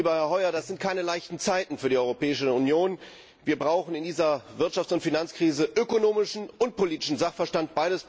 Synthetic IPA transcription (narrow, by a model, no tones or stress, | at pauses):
bɐhɛɐhɔʏɐdasz̥ɪnt̚kʰaɪnəlaɪçtn̩t͡saɪtn̩fyːɐdiʔɔʏʁopɛːɪʃəunjoːn | viːɐbʁaʊχn̩ɪndiːzɐvɪɐtʃaft͡sʊntfinant͡skʁ̥iːzəʔøkonoːmɪʃn̩ʊnt̚poliːtɪ̥ʃn̩zaχfɛɐʃtant̚b̥aɪɾəs